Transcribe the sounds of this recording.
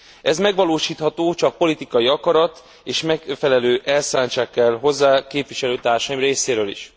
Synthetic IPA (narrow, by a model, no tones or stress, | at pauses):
ɛzmɛɡʋɒloːʃiːt̪hɒt̪oːt͡ʃɒk̚po̞lit̪ikɒjiɒkɒɾɒt̪ | eːʃmɛkfɛlɛløːʔɛlsaːɲt͡ʃaːkːɛlɦo̞zːaːkeːpʋiʃɛløːt̪aːrʃɒjimreːseːɾøːlḭʃ